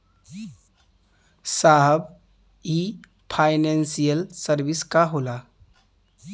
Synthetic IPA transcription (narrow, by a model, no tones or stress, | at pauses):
saɦəb | i | pʰaɪnensijəlsəɾbiskaɦoːla